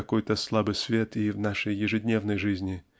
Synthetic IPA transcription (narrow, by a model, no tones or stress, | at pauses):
ɐkojt̪əslˠabɨjsvʲet̪ivnaʂəjːɪʐɨdʲnʲe̞vnəjʐɨzʲnʲɪ